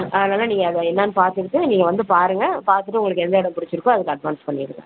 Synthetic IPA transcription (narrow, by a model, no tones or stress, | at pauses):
ʔɐðɐnaːlːaːniːŋɡɐːðɐɛnːaːnɯpaːɾt̪ɯkɯʈːɯniːŋɡɐʋɐnd̪ɯpaːɾɯŋɡɐpaːɾt̪ɯʈ̬ːɯʊŋɡɐɭɯkːɯɛnd̪ɐɪɽɐmpʊɽɪt͡ʃːɪɾɯkːõɐðɯkːɯɐɖʋaːnspɐɳːɪɾɯkːã̰ː